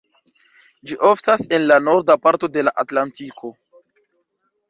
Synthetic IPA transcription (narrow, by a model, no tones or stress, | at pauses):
d͡ʒiʔoftase̞nlano̞ɾdapaɾto̞de̞laʔatlantikʰo̞